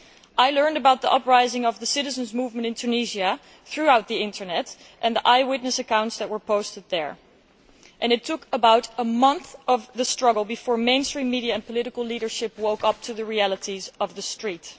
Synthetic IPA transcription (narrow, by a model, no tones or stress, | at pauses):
ʔaɪlɜ̃˞ndɨbaʊt̪̚ðiʔʌpɹaɪzɪ̃ŋʌvðəsɪɾɨzɨ̃nzmuvmɨ̃ntɨ̃ntʰʉniʒiɨ | θɹuaʊt̪̚ðiɪ̃ntʰə˞nɛt | ʔɨ̃nðiʔaɪwɪtⁿnɨsɨkãʊ̃ntsðɨt̚wə˞pʰoʊstɨd̪̚ðə˞ | ʔɨ̃nɨtʰːʊkəbaʊɾəmʌ̃nθʌvðɨstɹ̥ʌɡl̩ˠbɨfɔɹmẽɪ̃nstɹ̥ĩmːiɾiɨɨ̃npəlɪɾɨkl̩ˠliɾə˞ʃɪp̚woʊkʌp̚tʰɨðɨɹiælˠəɾizʌvðɨstɹ̥it